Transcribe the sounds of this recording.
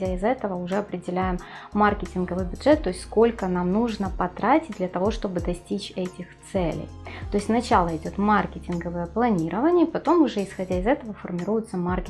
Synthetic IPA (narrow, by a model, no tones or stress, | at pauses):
aɪzɛt̪əvəʊʐɛɐpɾʲɪdʲɪlʲæjɪmːarkʲɪtʲɪnɡəvɨjbʲʊdʐɛt̪ːo̞ɪsʲtʲsko̞lʲkənamnuʐnəpɐt̪ɾatʲɪt̚ʲd̪lʲɐt̪ɐvo̞ʂt̪o̞bɨd̪ɐsʲtʲit͡ɕɛtʲɪxt̪sɛlʲɪ̰jt̪oɪsʲt̪ʲnɐt͡ɕalˠəɪdʲo̞t̪markʲɪtʲɪnɡəvɨjəplˠɐnʲiɾʔəvənʲɪjəpɐt̪o̞mʊʐɛɪsxɐdʲaɪzɛt̪əvəfərmʲɪɾujʊt̪səmarkʲɪ